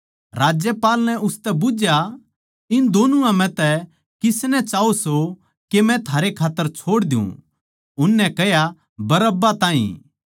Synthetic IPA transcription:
ɾaːd͡ʒjəpaːlnɛʔʊst̪ɛbʊd͡ʒja | ɪnd̪oːnuãmɛ̃t̪ɛ | kɪsnɛt͡ʃaːoso | kemɛ̃t̪ʰaːɾekʰaːt̪ːəɾt͡ʃʰoːɽd̪ɪjṵ̃ | ʊnːɛkɛja | bɐɾəbːat̪ãːḭ̃

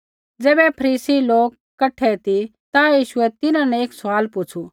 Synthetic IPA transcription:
d͡zɛːbɛpʰɐɾiːsiloːkːɐʈʰɛt̪i | t̪ajiːʃʊɛt̪ɪnãnɛ̃eːksʊʋaːlpʊt͡ʃʰu

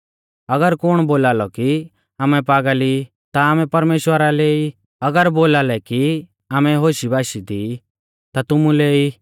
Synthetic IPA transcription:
ɐɡəɾkʊɽ̃boːlaːlɔki | aːmɛpaːɡali | t̪aaːmɛ̃pɐɾmeːʃwəɾalei | ɐɡəɾboːlaːlɛki | aːmɛɦoːʃibʱaːʃid̪i | t̪at̪ʊmuleiː

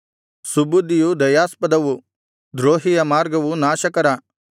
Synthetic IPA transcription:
subud̪ːijud̪ɐjaːspɐd̪ɐʋu | d̪ɾoːɦijɐmaːɾɡɐʋunaːʃɐkɐɾɐ

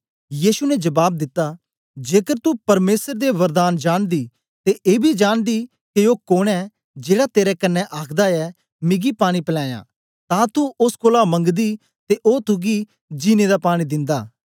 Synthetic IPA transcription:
jiːsunɛd͡ʒɐbaːb̚d̪ɪt̪ːa | d͡ʒeːkəɾt̪upɐɾmeːsəɾd̪eʋɐɾd̪aːnd͡ʒaːɽd̪i | t̪eʔeːbʱid͡ʒaːnd̪i | keoːkoːɽ̃ɛ | d͡ʒeːɽat̪eːɾɛkɐnːɛʔaːkʰd̪aɛ | mɪ̃ɡipaːɽ̃ipəlãːjã̰ː | t̪ãːt̪uʊskoːlamɐ̃ŋɡd̪i | t̪eʔoːt̪ʊɡi | d͡ʒiːned̪apaːɽ̃id̪ɪ̃nd̪aː

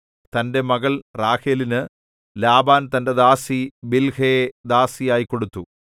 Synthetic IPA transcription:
t̪ɐnde̞mɐɣɐɭraːxeːlinɨ | laːbaːnt̪ɐnde̞d̪aːsibilhɐjed̪aːsijaːjikːo̞ɽut̪ːu

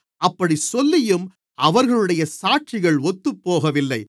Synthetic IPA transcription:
ɐpːɐɽisɔlːɪjɯm | ɐʋɐɾɣɐɭɯɽɐjɐsaːʈt͡ʃɪɣɐɭɔt̪ːɯpːoːɣɐʋɪlːɐɪ

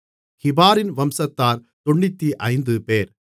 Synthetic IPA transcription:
xɪbaːɾɪnʋɐmsɐt̪ːaːɾ | t̪ɔɳːɪt̪ːiʔɐɪnd̪ɯpeːɾ

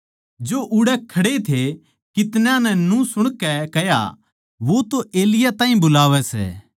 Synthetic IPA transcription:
d͡ʒoʔʊɽɛkʰɐɽet̪ʰe | kɪt̪nãnɛnũsʊɽ̃kɛkɛja̰ | ʋot̪oʔeːlɪjat̪ãːɦĩbʊlaːʋɛsɛ̰ː

